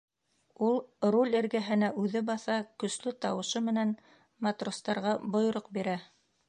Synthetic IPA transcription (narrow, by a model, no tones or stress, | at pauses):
ulˠrulʲɘ̆ɾɡæɦɘ̆næʔʉðɘbɑθɑkɵ̆slɘt̪ɑwɤ̆ʃɤmɘ̆næn | mɑt̪rost̪ɑɾʁɑbŏjŏɾoqbiɾæ